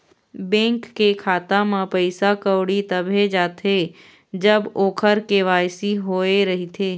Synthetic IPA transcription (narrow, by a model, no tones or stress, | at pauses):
bɛ̃ːŋkːekʰaːt̪amãpəɪsakəʊɽit̪ɐbʱed͡ʒaːt̪ʰe | d͡ʒəboːkʰəɾkeʋaːjsiɦoːeɾɐɦit̪ʰeː